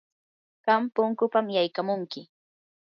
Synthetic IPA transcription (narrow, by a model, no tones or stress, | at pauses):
ɢ̥ampʊŋkʊpamjajkamʊŋkɪ